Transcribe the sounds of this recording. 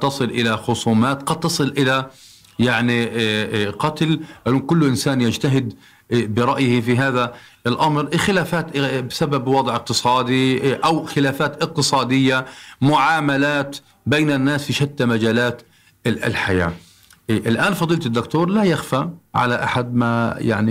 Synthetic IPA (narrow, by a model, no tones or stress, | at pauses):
t̪ːɑsˤɨlʔɪlaxʊsˤuːmaːt̪qɑd̪̚t̪ːɑsˤɨlʔɪla | jaʕni | qɑt̪lʔaluːnkʊlːʔɪnsaːnjad͡ʒt̪aɦɪd̪ | bɪɾˤɑʔjɪhfiɦaːða | ɪlʔamɾxɪlaːfaːt̪bɪsababwɑd̪ˤʕɪq̚t̪ɨsˤɑːd̪iʔawxɪlaːfaːt̪ʔɪq̚t̪ɨsˤɑːd̪ɪjːamʊʕaːmalaːt̪ | bejnanːaːsfiʃat̪ːamad͡ʒaːlaːt̪ | ɪ̰lħaja̰ː | ʔɪlʔaːnfɑd̪ˤiːlt̪ɪd̪ːʊkt̪uːɾˤlajaxfaʕa̰laʔa̰ħad̪̚maja̰ʕni